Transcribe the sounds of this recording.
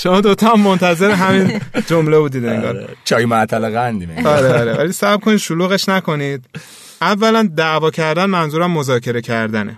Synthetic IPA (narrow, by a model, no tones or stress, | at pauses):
ʃo̞mɒːd̪ot̪ʰɒæmːo̞nt̪ʰæze̞ɾeɦæmind͡ʒomlebuːd̪iːd̪eŋɡɒ̰ːɾt͡ʃʰɒːjmæt̪ʰæleɣænd̪imeɒːɾeɒɾevæ̰lisæb̥̚kʰonid̪ʃuluːɣe̞ʃnækʰo̞nid̪̚ | ævːælænd̪æʔvɒːcʰæɾd̪ænmænzuɾæmːo̞zɒːcʰe̞ɾe̞cʰæɾd̪ænḛ